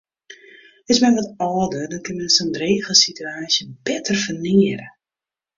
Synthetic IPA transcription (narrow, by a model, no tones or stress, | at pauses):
ɪsmɛnʋɔtɔːdədɔnkɪnmənəsondreːɣəlˠsityaːsjəbɛtʰərfəniəɾə